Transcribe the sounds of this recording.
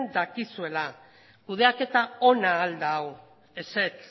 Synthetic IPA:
nd̪akisue̞la | kuð̞e̞ake̞t̪ao̞naːld̪aw | e̞set͡s

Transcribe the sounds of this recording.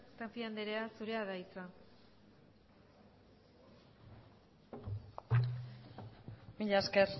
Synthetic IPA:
t̪apiand̪eɾeasuɾe̞aðait͡sa | miʎaskeɾ

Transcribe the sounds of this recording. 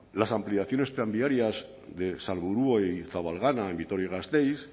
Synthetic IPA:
lasampliaθjo̞ne̞st̪ɾambiaɾjaz | ðe̞salβuɾuojθaβalɣanaembit̪o̞ɾjiɣast̪ejs

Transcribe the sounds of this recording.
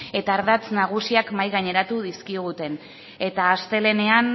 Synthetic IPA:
e̞t̪aːɾðat͡snaɣ̞usiakmajɣaɲe̞ɾat̪uðiskiɣ̞ut̪e̞n | e̞t̪aːst̪e̞le̞ne̞an

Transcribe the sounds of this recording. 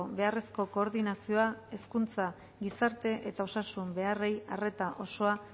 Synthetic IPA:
βe̞are̞sko̞ko̞ːɾðinasio̞ae̞skunt͡sa | ɡisaɾt̪e̞ʔe̞t̪ao̞sasumbe̞are̞jare̞t̪aʔo̞so̞a

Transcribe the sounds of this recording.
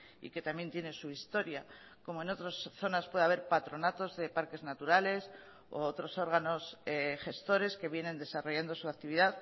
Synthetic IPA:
ḭke̞t̪amje̞nt̪je̞ne̞suist̪o̞ɾja | ko̞moeno̞t̪ɾosθo̞naspwe̞ð̞aβ̞e̞ɾpat̪ɾo̞nat̪o̞zðe̞paɾke̞znat̪uɾale̞s | o̰ot̪ɾo̞so̞ɾɣano̞sexe̞st̪o̞ɾe̞ske̞βje̞nẽ̞nd̪e̞saro̞ʝand̪o̞suakt̪iβiðað

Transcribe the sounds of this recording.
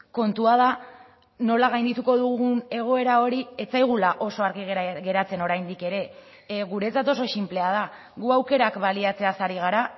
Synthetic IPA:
ko̞nt̪uað̞a | no̞laɣajnd̪it̪uko̞ðuɣune̞ɣ̞o̞e̞ɾao̞ɾie̞t͡sajɣ̞ulaʔo̞so̞aɾɣiɣɣe̞ɾat͡se̞no̞ɾajnd̪ike̞ɾe̞ | ɣuɾe̞t͡sat̪o̞so̞simple̞aða | ɣuawke̞ɾakbaliat͡se̞asaɾiɣ̞aɾa

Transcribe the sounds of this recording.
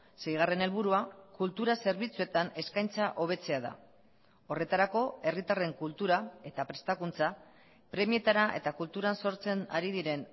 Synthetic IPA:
se̞jɣ̞are̞nelβuɾuakult̪uɾase̞ɾβ̞it͡sue̞t̪ane̞skajnt͡saʔo̞β̞e̞t͡se̞aða̰ | o̞re̞t̪aɾako̞e̞rit̪are̞ŋkult̪uɾae̞t̪apɾe̞st̪akunt͡sa | pɾe̞mie̞t̪aɾaʔe̞̰t̪akult̪uɾanso̞ɾt͡se̞na̰ɾiðiɾe̞n

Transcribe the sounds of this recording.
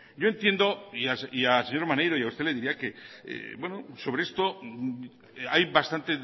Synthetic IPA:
ɟ͡ʝo̞e̞nt̪je̞nd̪oiasiaseɲo̞ɾmanejɾoiaust̪e̞le̞ðiɾiake̞ḛbwenoso̞βeest̪o̞ | ajβast̪ant̪e

